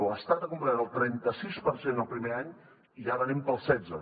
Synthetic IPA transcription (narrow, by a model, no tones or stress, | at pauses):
əst̪at̪əkumpɾaɾəlˠt̪ɾɛnt̪əsispəɾsenəlˠpɾimeaɲ | iʒaβənempəlˠsɛd͡zə